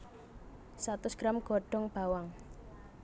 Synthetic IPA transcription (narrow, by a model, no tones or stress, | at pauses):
sat̪ʊsɡ̥ɾamɡ̥ɔ̤ɖ̥ɔŋb̥a̤waŋ